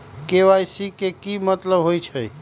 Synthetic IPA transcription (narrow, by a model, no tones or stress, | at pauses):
keʋajsikekimət̪ləbɦojt͡ʃʰəj